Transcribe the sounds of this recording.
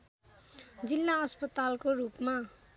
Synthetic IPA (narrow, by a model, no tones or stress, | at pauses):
d͡zilːaʌspʌt̪alkorupma